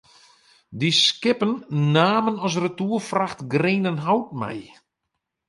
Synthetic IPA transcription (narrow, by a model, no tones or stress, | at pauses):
diskɪpənːaːmənɔs̬rətuəfraxtɡreːnənɦawt̚mɛ̰j